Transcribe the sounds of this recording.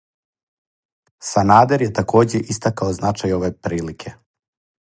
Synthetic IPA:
sanaːd̪eɾjet̪ako̞ːd͡ʑeʔist̪akaoznat͡ʃajoʋepɾiːlikʰe̞

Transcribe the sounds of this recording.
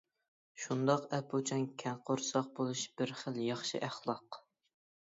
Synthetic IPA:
ʃund̪ɑqɛpʰːot͡ʃʰɛnkʲʰɛnqʰoɾsɑq̚bolˠuʃb̥ɪɾχəlˠjɑχʃḭʔæχlˠɑq

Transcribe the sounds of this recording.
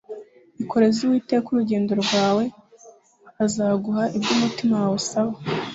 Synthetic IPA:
ikʰo̞ɾe̞ziwiːtekuɾuɟe̞ːndo̞ɾɡwaːwe̞ | azaːɡuhaʔibɟumutimawawusaβa

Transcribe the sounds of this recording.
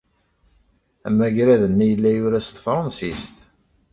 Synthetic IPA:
æmːæʝɾæðənːæjəlːæjʊɾæst̪ˤːfɾˤɑnsist̪

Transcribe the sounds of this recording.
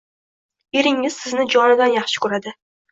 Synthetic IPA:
eɾɪŋɪz̥sɪznɪd͡ʒɒnɪd̪anjɑχʃɪ̥kʰɵɾad̪ɪ

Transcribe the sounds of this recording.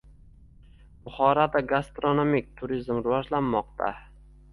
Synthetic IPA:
bʊχɒɾad̪aɡast̪ɾonomik̚ʲt̪ʰʊɾizmɾʊvɒʒlanːɒqt̪ʰa̰

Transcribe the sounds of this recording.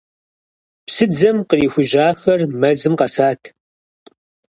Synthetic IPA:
psɨd͡zɐmqəriːxʷʊʒaːxɐrmɐzɨmqɐsaːtʰ

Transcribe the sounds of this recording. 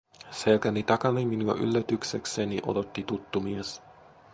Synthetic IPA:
selkænit̪ɑkɑniminuɑ̰ʔy̰lːæt̪yksekseniʔo̰do̞t̪ːit̪ut̪ːumies

